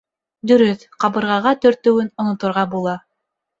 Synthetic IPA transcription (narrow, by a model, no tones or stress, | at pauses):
d̪ɵ̆ɾɵθ | qɑβɤ̆ɾʁɑʁɑt̪ɵ̆ɾt̪ɵ̆wɘnŏnŏt̪ŏɾʁɑbulˠɑ